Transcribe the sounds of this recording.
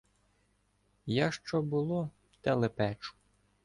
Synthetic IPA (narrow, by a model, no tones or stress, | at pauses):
jaʃt͡ʃɔbʊlˠɔ | t̪ɛlˠepɛt͡ʃʊ̥